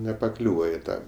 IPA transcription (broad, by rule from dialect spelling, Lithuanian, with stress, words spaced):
nʲɛpɐˈklʲuːʋɐ ɪ ˈtɑː